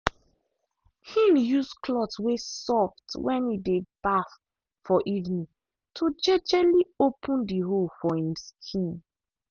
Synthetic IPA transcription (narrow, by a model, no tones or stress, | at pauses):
hĩnjuskʰlɔtswesɔftwɛ̃nidebaf | fɔʔivnĩ | tʰod͡ʒɛd͡ʒɛliopũndiɦolfɔhĩmskʰĩn